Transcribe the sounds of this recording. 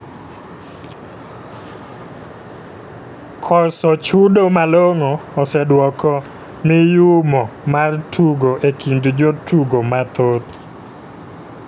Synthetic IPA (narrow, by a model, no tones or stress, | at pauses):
kʰɔsɔt͡ʃudomaloŋɔːsɛdwɔkɔ | mɪjʊmɔmartʰuɡoʔekindd͡ʒotʰuɡomat̪ot̪